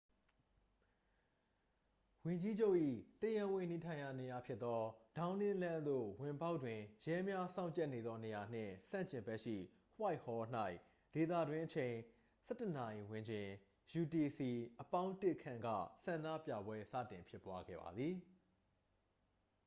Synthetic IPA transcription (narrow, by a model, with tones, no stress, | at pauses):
wɪ̃˨ɲd͡ʑi˦d͡ʑo˦ʊʔḭ˦˨təjã˦wɪ̃˦˨ni˨tʰã˨ɪ̃ja̰˦˨ne˨ja˨pʰjɪ˦t̪ːɔ˦d̥ã˨˦ʊ̃nɪ̃˦lã˦nd̪o̰˦˨wɪ̃˨mpa˦ʊʔtːwɪ̃˨jɛ˦mja˦sã˦ʊ̃ɲt͡ɕɛ˦ʔne˨d̪ðɔ˦ne˨ja˨n̥ɪ̰̃˦˨sã̰˦˨ɲt͡ɕɪ̃˨mbɛ˦ʔʃḭ˦˨ | hwa˦ɪʔhɔ˦n̥a˦ɪʔ | d̥e˨t̪ä̰˦˨dwɪ̃˦ʔət͡ɕʰẽ˨ɪ̃ | sɛ˦˨təna˨ʔi˨wɪ̃˨ɲd͡ʑɪ̃˨ | ju˨ti˨si˨ʔəpã˦ʊ̃ntɪ˦ʔkʰã̰˦˨ŋɡä̰˦˨sã˨ndä̰˦˨pja̰˦˨bwɛ˦sä̰˦˨tɪ̃˨mpʰjɪ˦pwa˦ɡɛ̰˦˨ba̰˨d̪ði˨